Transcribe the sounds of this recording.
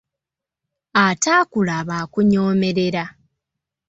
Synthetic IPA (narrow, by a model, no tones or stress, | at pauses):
ataːkulaβaːkuɲoːme̞ɾe̞ɾa